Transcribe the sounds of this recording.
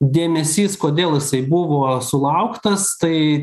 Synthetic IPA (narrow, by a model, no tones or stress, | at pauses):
d̪ʲeːmʲɛsʲiːskoːd̪ʲeːlˠjɪsɐɪbʊʋoːsʊlˠɐʊkt̪ɐst̪ɐɪ